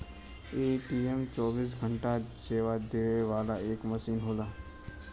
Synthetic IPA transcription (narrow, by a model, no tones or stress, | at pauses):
eːʈiemt͡ʃɔːbiːs̬ɡʱəɳʈaseːʋad̪eːʋeʋaːlaeːkməsiːnɦoːlaː